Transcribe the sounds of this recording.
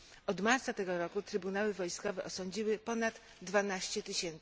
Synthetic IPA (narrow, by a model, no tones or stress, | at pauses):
ɔd̪maɾt̪sat̪ɛɡɔɾɔkut̪ɾɘbunawɘvɔjskɔvɛʔɔsɔɲd͡ʑiwɘpɔnad̪ | d̪vanaɕt͡ɕɛt̪ɘɕɛnt̪s